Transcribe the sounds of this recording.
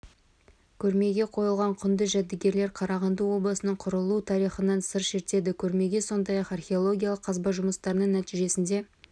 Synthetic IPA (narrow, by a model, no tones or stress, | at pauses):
kʲʰɵɾme̞ɡʲe̞qʰo̞jəlˠʁɑɴqʰʏnd̪əʒæd̪̚ːɪɡʲe̞ɾle̞ɾqʰɑɾɑʁɑnd̪əwo̞blˠəsənəɴqʰʊɾəlˠut̪ʰɑɾiχənɑnsəɾʃe̞ɾt̪e̞d̪ɪkʲʰɵɾme̞ɡʲe̞so̞nd̪ɑjɑqɑrχʲeo̞lˠo̞ɡʲijɑlˠəqʰːɑzbɑʒʊməst̪ɑɾənəɴnæt̪iʒe̞sɪnd̪e̞